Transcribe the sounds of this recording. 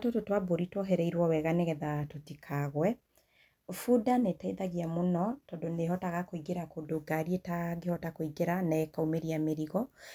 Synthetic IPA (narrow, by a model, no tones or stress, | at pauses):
tototwaboɾitwoɦɛɾɛiɾwɔwɛɣaneɣɛðatotikʰaɣwɛ | fudanetaiðaɣiamonɔtɔndoneɦɔtaɣakoiɡeɾakodoɡaɾietaɡehɔtakoiɡeɾanɛɛkaumeɾiameɾiɣɔ